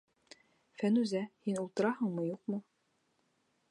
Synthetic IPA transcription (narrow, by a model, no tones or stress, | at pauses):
fænʉzæhinulˠt̪ɤ̆ɾɑɦɤɴmɤjuqmɤ